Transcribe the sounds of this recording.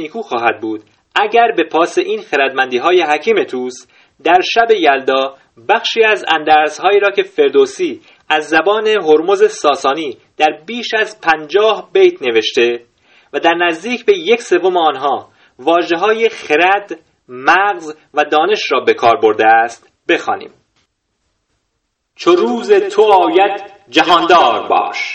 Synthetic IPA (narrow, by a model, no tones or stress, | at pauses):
niːkʰuːxɒːhæd̪̚buːd̪̥ | ʔæɟæɾbe̞pʰɒːse̞ʔiːnxeɾæd̪mænd̪iːɦɒːje̞ɦæcʰiːme̞t̪ʰuːs | d̪æɾʃæbe̞jæld̪ɒː | bæxʃiːæzæ̰nd̪æɾz̥hɒːiːɾɒːcʰe̞fe̞ɾd̪osiː | æzːæbɒːne̞ɦo̞ɾmo̞ze̞sɒːsɒːniː | d̪̥æɾbiːʃæzpʰænd͡ʒɒːhbejt̪ʰne̞ve̞ʃt̪e̞ | væd̪æɾnæzd̪iːcʰbejecse̞vomeɒːnɦɒː | vɒːʒe̞ɦɒːjexeɾæd̪ | mæɣz | væd̪ɒːne̞ʃɾɒːbe̞kʰɒːɾbo̞ɾd̪eæst̪ | be̞xɒ̰ːnḭːm | t͡ʃʰoɾuːzet̪ʰobɒːjæd̪̥ | d͡ʒæɦɒːnd̪ɒːɾbɒ̰ːʃ